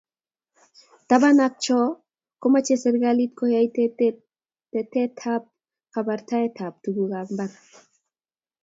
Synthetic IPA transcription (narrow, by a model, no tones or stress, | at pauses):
t̪abanak̚t͡ʃɔ | komat͡ʃesɛɾɡalit̪̚kɔhjait | tɛtɛtʰap̚ | kabaɾt̪aɛt̪ʰap̚t̪uɡuɣambaɾ